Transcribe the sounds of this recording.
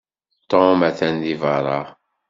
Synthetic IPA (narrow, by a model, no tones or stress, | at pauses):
t̪omæθændivɑɾˤɑ